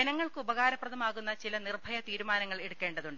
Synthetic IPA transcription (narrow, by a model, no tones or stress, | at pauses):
enɐŋːɐɭkɨubɐɣaːɾɐprɐðɐmaːɣunːɐt͡ɕilɐnirbʱɐjɐt̪iːɾumaːnɐŋːɐɭe̞ɽukːe̞ːɳɖɐðuɳɖɨ